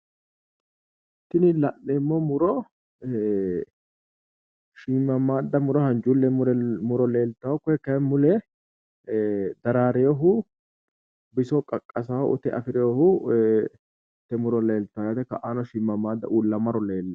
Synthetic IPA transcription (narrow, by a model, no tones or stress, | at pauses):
t̪ːɪnɪlɐnːɛmːɔmʊɾɔ | ʃiːmːɐmːaːd̪ːɐmʊɾɔhɐnd͡ʒulːɛmʊɾɔleːlt̪ːɐwakːɔhɛkːɐɛmʊlɛ | d̪ɐɾaːɾɛjɔɦʊ | bɪsɔkʼɐkʼːɐsɐwʔʊ̰t̪ːɛʔɐ̰fɪɾɛjɔhʊ | t̪ːɛmʊɾɔle̞ːlt̪ːɐjat̪ɛkɐʔaːnɔʃiːmːɐmːaːd̪ːɐ̰ʔuːlːɐmɐɾɔle̞ːlːɐ